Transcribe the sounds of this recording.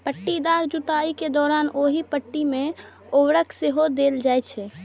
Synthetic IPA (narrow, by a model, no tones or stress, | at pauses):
pəʈːid̪aɾd͡ʒut̪aiked̪ɔɾanoɦipəʈːimẽ | oʋɾəkseɦod̪eld͡ʒajt͡ʃʰɛ